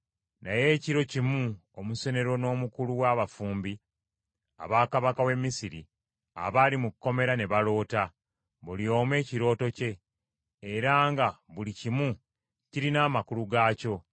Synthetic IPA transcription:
naje̞ːciɾo̞cimuomuse̞ne̞ɾo̞no̞ːmukuluwaːβafuːmbi | a̰βaːkaβakawe̞mːisiɾi | a̰βaːlimukkːo̞me̞ɾane̞βalo̞ːta | βulio̞ːmwe̞ːciɾo̞ːto̞ce̞ː | ɾaːŋɡaβulicimu | ciɾinaːmakuluɡaːco̞

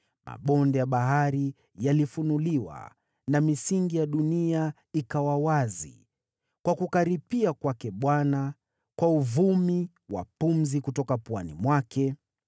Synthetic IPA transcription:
ma̰ɓɔndɛjaɓaɦaɾi | jalifunuliwa̰ | namisiŋɡijaɗunia | ikawawazḭ | kwakukaɾipiakwakɛɓwana | kwauvumi | wa̰pum̩zikutɔkapwanimwakɛ

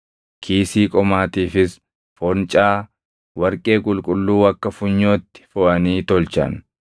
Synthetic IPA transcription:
kʰiːsiːkʼɔmaːt̪iːfɪs | fɔnt͡ʃʼaː | wɐɾkʼe̞ːkʼʊlkʼʊlːuːɐkːɐfʊɲːoːt̪ːɪ̥fʊʔɐniːt̪ɔlt͡ʃɐ̰n

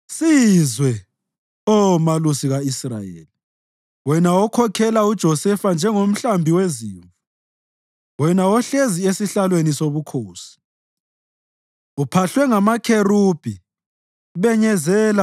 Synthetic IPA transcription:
sizwɛ | ɔmalusiɣaisra̰jḛːli | wɛnawɔkʰɔkʰɛlaud̥ʒ̥ʱɔsɛfand͡ʒʱɛŋom̩ɬambʱiweziːɱvu | wɛnawɔɬeziesiɬalwenisoβukʰoːsi̥ | upʰaɬwɛŋamakʰerub̥ʱi | βɛɲɛzɛːla

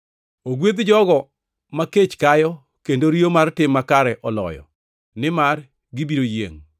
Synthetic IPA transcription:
oɡwed̪d͡ʒɔɡɔ | maket͡ʃkajɔ | kendoɾijomartɪmːakaɾɛʔɔlɔ̰jɔ̰ | nɪmar | ɡɪbiɾojḛŋ

